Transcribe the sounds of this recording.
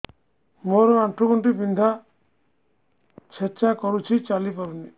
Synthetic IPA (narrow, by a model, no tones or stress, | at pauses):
moɾɔaɳʈuɡɔɳʈibind̪ʱa | t͡ʃʰet͡ʃakɔɾut͡ʃʰit͡ʃalipaɾuni